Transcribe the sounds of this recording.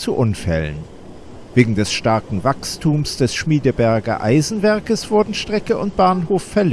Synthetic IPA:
t͡suʔʊnfɛ̰lə̰n | v̥eːɡŋ̩dɛsʃtaɐkŋ̩vakstʰuːmsd̥ɛsʃmiːdəbɛɐɡɐ̰ʔa̰ɪzn̩vɛɐkəsv̥ʊɐdn̩ʃtʁ̥ɛkəʔʊnt̚b̥aːnɦoːfːɛɐl

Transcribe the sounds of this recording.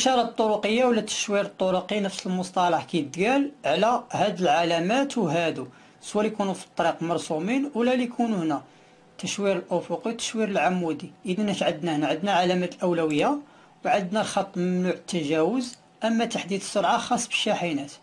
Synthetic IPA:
ʔʃɑɾˤɑt̪ˤːoɾʊqəjːawlːæt̪ːə̥ʃwiɾət̪ˤːoɾuqinəfsəlmʊst̪ˤɑlɑħkijd̪ɡælʕlæhæd̪əlʕalæmæt̪wɦæd̪u | swælijkunufi̥t̪ˤːɑɾiqmɑɾˤsuminwlælijkʰunuhnæ | t̪əʃwiɾəlʔʊfʊqiwt̪ə̥ʃwiɾəlʕamːud̪iʔid̪ænæʃʕəd̪næhnæʕəd̪næʕalæmæt̪əlʔəwlæwəjːa | wʕəd̪nælxɑt̪ˤːməmnuʕət̪ːæʒæwəz | ʔəmːæt̪aħd̪id̪əsːoɾˤʕaxɑsˤːbə̥ʃːæħinæt̪

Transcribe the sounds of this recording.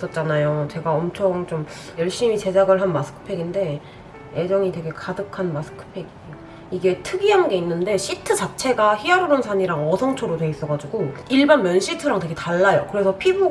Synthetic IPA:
s͈ʌt̚t͡ɕ͈anajot͡ɕe̞ɡaʌmt͡ɕʰoŋt͡ɕomjʌɭɕ͈imit͡ɕe̞d͡ʑaɡɯɭɦanmasʰɯ̥kʰɯ̥pʰe̞ɡinde̞ | ed͡ʑʌŋitwe̞ɡe̞kadɯkʰanmasʰɯ̥kʰɯ̥pʰe̞ɡiejo | iɡe̞tʰɯɡiɦanɡe̞inːɯnde̞ɕ͈ʰitʰɯt͡ɕat͡ɕʰe̞ɡaçiaɾɯɾonsʰaɲiɾaŋʌsʰʌŋt͡ɕʰoɾotwe̞is͈ʌɡad͡ʑuɡoiɭbanmjʌnɕ͈ʰitʰɯɾaŋteɡetaɭːajokɯɾe̞sʰʌpʰibu

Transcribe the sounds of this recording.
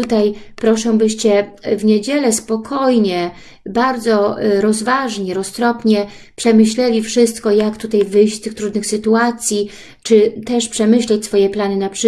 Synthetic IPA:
ut̪ajpɾɔʂɛw̃bɘɕt͡ɕɛvɲed͡ʑɛlɛspɔkʰɔjɲɛ | baɾd̪zɔɾɔzvaʐɲɛɾɔst̪ɾɔpɲɛ | pʂɛmɘɕlɛlʲifʂɘst̪kɔjakt̪ut̪ajvɘjɕt͡ɕst̪ɘxt̪ɾud̪nɘxsɘt̪uat̪sʲji | t͡ʂɘt̪ɛʂpʂɛmɘɕlɛt͡ɕsfɔjɛplanɘnapʂ

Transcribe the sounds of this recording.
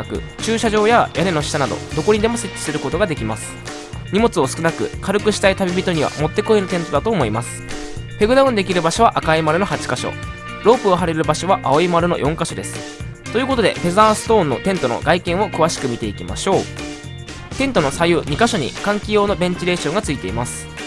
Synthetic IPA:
kɯ̟̰ | t͡ɕɨːɕaʑo̞ːjajʔane̞no̞ɕi̥t̪anad̪o̰d̪o̞ko̞ɲ̟ʲid̪e̞mo̞se̞tʲːi̥sɨɾɯ̟ko̞t̪o̞ɡad̪e̞kʲimasɨ̥ | ɲ̟imo̞t͡sɨo̞sɨ̥kɯ̟nakɯ̟kaɾɯ̟kɯ̟ɕi̥t̪ait̪abʲibʲit̪o̞ɲ̟iβa̰mo̞t̪ːe̞ko̞enot̪ẽ̞nt̪o̞d̪at̪o̞ːmo̞imasɨ̥pe̞ɡɯ̟d̪aɯ̃nd̪e̞kʲiɾɯ̟baɕo̞β̞aʔakaimaɾɯ̟no̞hat͡ɕi̥kaɕo̰ | ɾo̞ːpɯoɦaɾe̞ɾɾɯ̟baɕo̞βaʔaoimaɾɯ̟no̞̰jʔõ̞ŋkaɕo̞d̪e̞sɨ̥ | t̪o̞jiɯːko̞t̪o̞d̪e̞̰pe̞zasɨ̥t̪õ̞ːnːo̞̰t̪ẽ̞nt̪o̞no̰ɡaikẽ̞ɰ̃o̞kɯ̟βaɕi̥kɯ̟mʲit̪e̞ikʲima̰ɕo̞ː | t̪ẽ̞nt̪o̞no̞sajɯːɲ̟ikaɕo̞ɲ̟ḭkãŋkʲijo̞ːno̞bẽ̞ɲ̟t͡ɕiɾe̞ːɕõ̞ŋɡat͡sɨit̪e̞imasɨ̥

